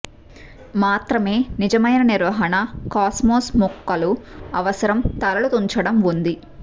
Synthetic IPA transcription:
maːt̪ɾɐme̞ːnid͡ʒɐmɐjnɐniɾʋɐɦɐnɐkaːsmoːsmukːɐluɐʋɐsɐɾɐmt̪ɐɾɐlut̪uɲt͡ʃɐɽɐmund̪i

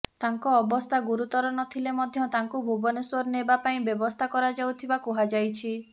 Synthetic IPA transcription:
t̪aŋkɔːbɔst̪ʰaɡuɾut̪ɔɾɔnɔt̪ʰilemɔd̪ʱjɔt̪aŋkubʱubɔneswɔɾnebapaĩbjɔbɔst̪ʰakɔɾad͡ʒawt̪ʰibakuɦad͡ʒajt͡ʃʰi

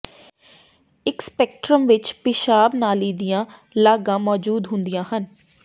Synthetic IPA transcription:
ɪkspɛːk̚ʈɾəmʋɪt͡ʃpɪʃaːbnaːliːd̪ijãːlaːɡãːmɔːd͡ʒuːd̪ɦʊnd̪ijãːɦən

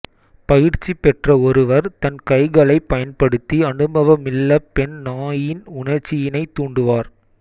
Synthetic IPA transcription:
pɐjɪɾt͡ʃːipɛʈrɐɔɾɯʋɐɾt̪ɐnkɐɪɣɐɭɐɪpːɐjɐnpɐɽɯt̪ːiɐɳɯmbɐʋɐmɪlːɐpɛnnaːjɪnʊɳɐɾt͡ʃːɪjɪnɐɪt̪ːuːɳɖɯʋaːɾ

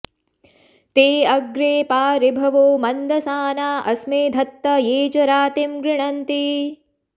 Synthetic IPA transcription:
t̪eːɐɡɾeːpaːɾibʱɐʋoːmɐnd̪ʱɐsaːnaːʔɐsmeːd̪ʱɐt̪ːɐjeːt͡ʃɐɾaːt̪imɡɾɪɳɐnt̪i

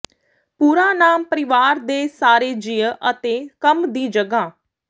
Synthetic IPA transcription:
puːɾaːnaːmpəɾɪʋaːɾd̪eːsaːɾeːd͡ʒɪjəʔət̪eːkəmd̪iːd͡ʒəɡaː

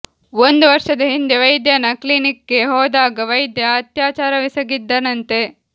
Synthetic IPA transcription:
ond̪uʋɐɾʃɐd̪ɐɦind̪eʋɐjd̪jɐnɐklinikːeɦɔːd̪aːɡɐʋɐjd̪jɐːt̪jaːt͡ʃaːɾɐʋisɐɡid̪ːɐnɐnt̪e̞

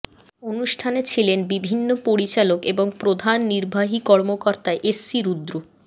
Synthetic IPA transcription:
onuʃʈʰanet͡ɕʰilenbibʱinːopoɾit͡ɕalokeboŋpɾod̪ʱanːiɾbʱaɦikɔɾmokɔɾt̪aeʔesːiɾud̪ɾu

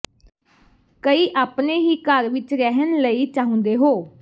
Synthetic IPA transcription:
kəiːʔaːpneːɦiːkəɾʋɪt͡ʃɾɛɦənləiːt͡ʃaːɦʊ̃nd̪eːɦoː

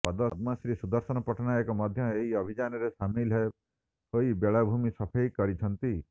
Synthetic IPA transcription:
pɔd̪ɔd̪masɾisud̪ɔɾsɔnɔpɔʈʰɔnaekɔmɔd̪ʱjɔeɦiɔbʱid͡ʒanɔɾesamilɦe | ɦoibeɭabʱumisɔpʰɔjkɔɾit͡ʃʰɔnt̪i

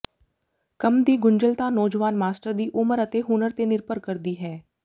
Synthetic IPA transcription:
kəmd̪iːɡʊɲd͡ʒəlt̪aːnɔːd͡ʒʋaːnmaːsʈəɾd̪iːʔʊməɾət̪eːɦʊnəɾt̪eːnɪɾpəɾkəɾd̪iːɦɛː

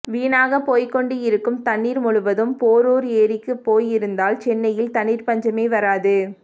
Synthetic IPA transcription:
ʋiːnaːɣɐpːoːjkːɔɳɖɯjɪɾɯkːɯmt̪ɐɳːiːɾmʊɻʊʋɐðɯmpoːɾoːɾeːɾɪkːɯpːoːjɪɾɯnd̪aːlt͡ʃɛnːɐjɪlt̪ɐɳːiːɾpɐɲd͡ʒɐmeːʋɐɾaːðɯ

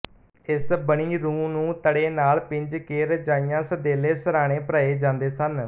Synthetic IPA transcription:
ɪsbəɳiːɾũːmnũːt̪əɽeːnaːlpɪ̃ɲd͡ʒkeːɾd͡ʒaːijãːsəd̪eːleːsəɾaːɽ̃eːpəɾaːeːd͡ʒãːnd̪eːsən

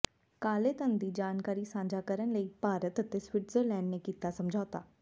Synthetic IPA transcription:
kaːleːt̪ənd̪iːd͡ʒaːnkaːɾiːsãːɲd͡ʒaːkəɾənləiːpaːɾət̪ət̪eswɪʈzəɾlɛ̃ːɳɖnekiːt̪asəmd͡ʒʱaːt̪aː

